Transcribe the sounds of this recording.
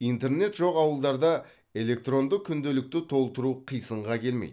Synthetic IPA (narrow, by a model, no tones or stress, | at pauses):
ijnt̪e̞ɾne̞t̪ʒo̞qɑwəlˠd̪ɑɾd̪ɑ | e̞le̞k̚t̪ro̞nd̪əkkʲʰʏnd̪e̞lɪk̚t̪ɪt̪ʰo̞lˠt̪əɾuqʰijsəɴʁɑkʲʰe̞lmḛjd̪